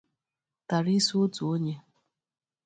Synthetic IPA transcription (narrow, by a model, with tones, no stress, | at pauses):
ta˨ɾi˦su˦o˦tu˨o˦ɲe˦